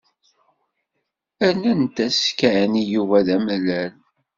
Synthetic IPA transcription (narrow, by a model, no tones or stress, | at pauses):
ænænt̪æskæʕnijuvæðæmlːæl